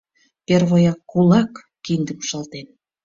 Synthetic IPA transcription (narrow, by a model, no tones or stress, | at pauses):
perβojɑkːulɑkː | ind̪əmʃɑlt̪en